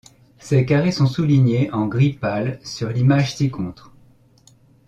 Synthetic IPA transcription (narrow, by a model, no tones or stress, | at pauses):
sekaʁesɔ̃suliɲeʔɑ̃ɡʁipalsyʁlimaʒt̪ikɔ̃t̪χ